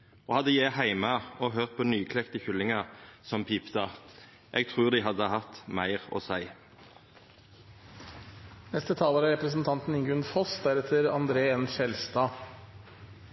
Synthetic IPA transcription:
ʔoːhɑd̪ːəjæɪhæɪməɔɦøːʁt̪̚pʰɔnyːkʰlɛkt̪əçʏlːɪŋɑʁsɔmpʰiːpt̪ɑ | ʔɛɡ̚t̪ʰʁʉːʁd̪ɪɦɑd̪ːəhɑt̪mæɪʁɔ̰sæɪ | nɛst̪ət̪ʰɑːləɾæɾɛpɾəsn̩t̪ʰɑnt̪n̩ɪŋɡʉnfɔsd̪æɾɛt̪ʰəɾɑ̰nd̪ɾeːɛnʃɛlst̪ɑː

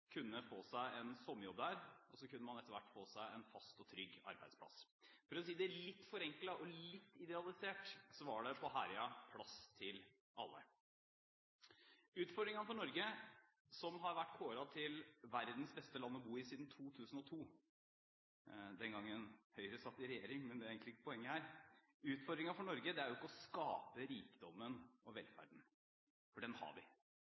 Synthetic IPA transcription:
kʰʉnːəfoːsæɪɛnsɔmːəjɔbd̪æːɾʔɔsɔkʉnːəmɑnɛt̪ːəʋæ̰ʈːfoːsæɪɛnfɑst̪ɔt̪ʰɾʏɡːɑ̰ɾbæɪd̪spʰlɑ̰s | fɔɾɛs̬iːd̪ɛæɭɪt̪ːfɔɾɛŋklɑʔɔlɪt̪ːɪd̪ɛɑlˠɪseːʈsɔʋɑɖɛpʰɔɦæːɾɪɑpʰlɑst̪ʰɪl | ʔɑ̰lːə̰ | ʉːt̪fɔɖɾɪŋɑnəfɔɳɔɾɡə | sɔmɦɑɾʋæʈːkʰoːɾɑt̪ʰɪlʋæɾd̪n̩sbɛst̪əlɑnːɔbuːɪsiːd̪n̩t̪ʰuːt̪ʰʉːsən̩ɔt̪ʰuː | d̪ɛnɡɑŋːənhœʏɾəsɑt̪ːɪɾɛjeːɾɪŋmɛnd̪ɛæɾeːɡŋk̪lɪɪkːəpʰɔɛŋːəhæːɾ | ʉːt̪fɔɾd̪ɾɪŋɑfɔɳɔɾɡəd̪ɛæɾjʊɪkːəɔskɑːpəɾiːkd̪ɔmːənɔʋɛlfæ̰ɖn̩ | fɔɖɛnhɑ̰ɾʋɪ̰

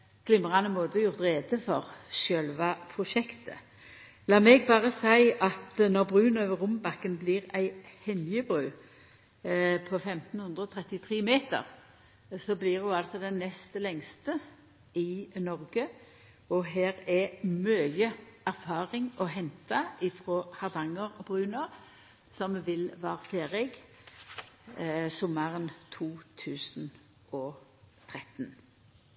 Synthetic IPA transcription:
ɡ̥lɪmːəʁɑnəmoːd̪əɔjʊʁt̪ʁeːd̪əfɔʁʃœlʋɑpʰʁʊʃɛkt̪ʰə̰ | lɑːmɛɡ̚bɑːʁəsæɪɑt̪nɔʁbʁʉːnøːʋəʁʊmbɑkːənbliːʁæɪhɛnjəbʁʉː | pʰɔfɛmt̪nhʉnd̪ʁəɔːt̪ʰʁɛt̪ɪt̪ʰʁeːmeːt̪ə̰ʁ | sɔblɪʁhʊɑlt̪sɔd̪ɛnːɛst̪əlɛŋst̪ə | ɪnɔʁɡə | ɔɦæːʁɛmœjəæʁfɑːʁɪŋʔɔɦɛnt̪ɑʔɪfʁoːhɑʁd̪ɑŋːəʁbʁʉːnɔ | sɔmʋɪlʋɑːʁfʰeːʁɪɡ | sʊmɑʁənt̪ʰuːt̪ʰʉːsn̩ | ɔt̪ʰʁɛt̪n

